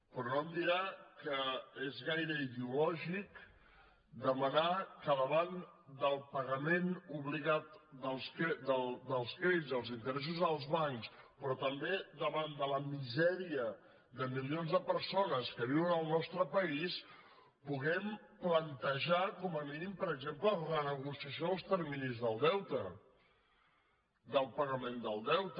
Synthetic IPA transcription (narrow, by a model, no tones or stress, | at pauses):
pɾɔnoəmd̪iɾakəezɣajɾəiðeulɔʒik | d̪əmənakəðəβand̪əlˠpəɣəmenuβliɣat̪d̪əlˠsked̪əd̪əlˠskɾeðizðəlˠzint̪əɾɛs̬uzəlˠzβaŋkspɾɔt̪əmbeðəβand̪ələmizɛɾiə | ðəmilionzðəpəɾsonəskəβiwənəlˠnɔst̪ɾəpəis | puɣɛm | plənt̪əʒakɔməminimpəɾəɡzemplərənəɣusiəsjoəlˠst̪ɛɾminizðəlˠd̪ɛwt̪ə | d̪əlˠpəɣəmend̪əlˠd̪ɛwt̪